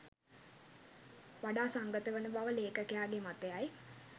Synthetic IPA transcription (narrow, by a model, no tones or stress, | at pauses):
ʋaɖaːsaŋɡət̪əʋənəbaʋəleːkəkejaːɡemat̪ejaj